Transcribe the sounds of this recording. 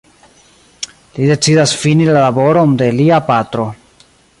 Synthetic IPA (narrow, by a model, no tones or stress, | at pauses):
lide̞t͡sidasfinilalabo̞ɾo̞nde̞liapatɾo̞